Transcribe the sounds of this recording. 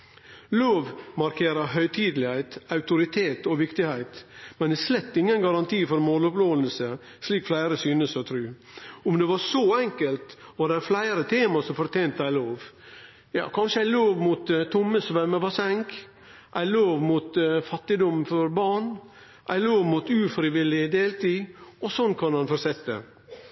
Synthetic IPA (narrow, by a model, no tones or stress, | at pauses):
loːʋmɑɾkʰeːɾɑɦœʏt̪ʰiːd̪l̩ɪhæɪt̪ɑʉt̪ʊɾɪt̪ʰeːt̪ɔʋɪkt̪ɪhæɪt̪mɛnd̪ɛslɛt̪ːɪŋːənɡɑɾɑnt̪ʰiːfɔɾmoːlʊploːʋəlsə | sliːkflæɪɾəsyːnəsɔt̪ʰɾʉː | ʊmd̪ɛʋɑɾʂoɛŋkəlt̪ʋɑd̪æɾflæɪɾət̪ʰeːmɑsɔmfɔɾt̪ʰeɪnt̪əæɪloːʋ | jɑ̰ːkʰɑnʂəæɪloːʋmuːt̪t̪ʰːʊmːəsɔʋæməʋɑsɛŋk | ʔæɪloːʋmuːt̪fɑt̪ːɪd̪ɔmfɔɾbɑɳ | ʔæɪloːʋmuːt̪ʉːfɾɪʋɪlɪd̪eːlt̪iːɔsɔnːkʰɑnmɑnfɔɾsɛt̪ːə̰